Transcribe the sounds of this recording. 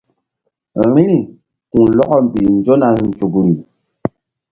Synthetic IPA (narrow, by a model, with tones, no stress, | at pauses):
ɾi˦ni˨ | ku˨lɔ˦ʔɔ˦m̩˨bi˨n̩˨d͡ʒɔ˦na˨n̩˨t͡ʃu˨ɡu˨ɾi˨